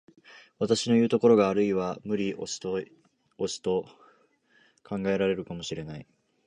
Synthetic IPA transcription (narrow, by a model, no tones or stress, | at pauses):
βat̪aɕino̞jɯ̟ːt̪o̞ko̞ɾo̞ɡaːɾɯ̟iβamɯ̟ɾʲiʔo̰̥t̪o | osi̥t̪o̞ | kʰãŋɡae̞ɾaɾe̞ɾɯ̟kamo̞ɕiɾe̞nai